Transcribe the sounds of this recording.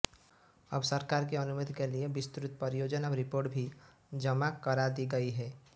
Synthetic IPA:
əbsəɾkaːɾk̬eɐnʊməd̪ʱkeliebɪst̪ɾʊt̪̚pəɾɪjoːd͡ʒənɐbɾɪpoːɾʈbʱi | d͡ʒəmakɐɾad̪iɡɐiɦɛː

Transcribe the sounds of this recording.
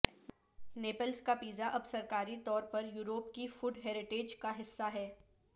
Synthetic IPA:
neːpəlzkapiːzaʔɐbsɐɾkaːɾit̪ɔːɾpɐɾjuːɾoːpkifʊɖɦeːɾɪʈeːd͡ʒkaɦɪsːaɦɛː

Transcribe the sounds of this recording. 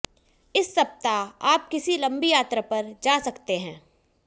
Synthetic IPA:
ɪsːɐp̚t̪aaːp̚kɪsilɐ̃mbijaːt̪ɾəpɐɾd͡ʒaːsɐkt̪eɦɛ̃ː

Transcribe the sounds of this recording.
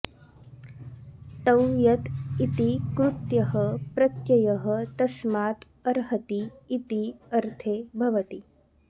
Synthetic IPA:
t̪ɐwjɐt̪it̪ikɾut̪jɐɦəpɾɐt̪jɐjɐɦət̪ɐsmaːt̪ | ɐɾɦɐt̪iːt̪iɐɾt̪ʰeːbʱɐʋɐt̪i

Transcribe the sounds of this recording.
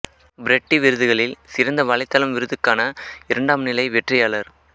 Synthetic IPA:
bɾɛʈːiʋɪɾɯðɯɣɐɭɪlsɪɾɐnd̪ɐʋɐɭɪt̪ːɐlɐmʋɪɾɯðɯkːaːnɐɪɾɐɳɖaːmnɪlɐɪʋɛʈrɪjaːɭɐɾ

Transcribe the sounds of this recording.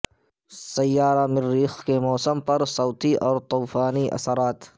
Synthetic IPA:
sɐjːaːɾamɪɾːiːxkemɔːsəmpɐɾsɔːt̪iʔɔːɾt̪uːfaːniʔɐ̰səɾaːt̪

